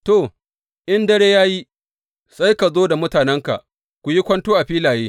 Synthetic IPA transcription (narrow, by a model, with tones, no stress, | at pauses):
to˨ | ʔɪ˦ndɐ˦ɽeː˦jaː˦ji˦ | sʼa˦jka˨zoː˦da˨mʊ˦taː˨nɛ˦ŋka̰˨ʔ | kʷu˨ji˦kʷɐ˦ntoː˦ʔa˨ɸiː˦laː˨jeː˦